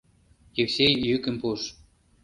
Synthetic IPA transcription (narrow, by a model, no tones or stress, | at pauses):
jeksejjykə̆mpuʃ